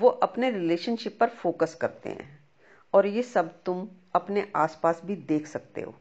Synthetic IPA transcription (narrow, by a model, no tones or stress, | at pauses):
ʋoʔɐpneɾɪleːʃənʃɪpːɐɾfoːkəskɐɾt̪ḛɦɛ̰̃ː | ɔːɾjesɐbt̪ʊmɐpneʔaːspaːsbʱid̪eːkʰsɐk̚t̪ḛɦo̰ː